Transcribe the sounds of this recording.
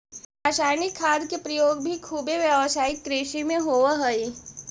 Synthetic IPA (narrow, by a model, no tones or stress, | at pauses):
ɾaːʃaːjnɪkʰːaːd̪kepɾɐjoːɡbʱikʰuːbeʋjəʋsaːɪkːɾeːʃimẽɦoʋaɦɐi